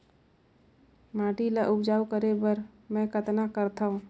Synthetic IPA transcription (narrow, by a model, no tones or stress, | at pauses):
maːʈilaʔʊbd͡ʒaːwkəɾebəɾmɛ̃kət̪nakəɾt̪aːɦũ